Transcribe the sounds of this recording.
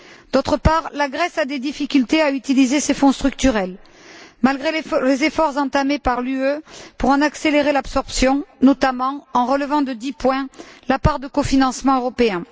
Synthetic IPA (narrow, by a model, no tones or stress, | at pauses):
d̪̥ot̪χəpaʁlaɡʁɛsad̪ed̪ifikʲylt̪eayt̪ilizesefɔ̃st̪χyk̚t̪yʁɛl | malɡʁellezefɔʁzɑ̃t̪amepaʁlyøpuʁɑ̃nakseleʁelabsɔʁpsjɔ̃nɔt̪amɑ̃ɑ̃ʁələvɑ̃d̪əd̪ipwɛ̃lapaʁd̪əkofinɑ̃smɑ̃øʁɔpeɛ̃